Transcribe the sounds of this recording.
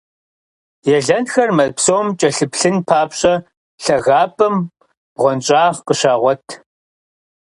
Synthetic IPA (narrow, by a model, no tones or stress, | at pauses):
jɛɮɐntxɐrmɐpsowmt͡ʃʼɐɬɨpɬɨnpʰaːpɕʼɐ | ɬɐɣaːpʼɐm | bʁʷɔnt͡ʃʼaːʁqəʃaːʁʷɔtʰ